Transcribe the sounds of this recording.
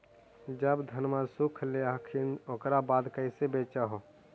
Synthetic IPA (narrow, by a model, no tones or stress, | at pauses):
d͡ʒəbd̪ʱənmasukʰleaːkʰinokɾabaːd̪kəisebeːt͡ʃaɦo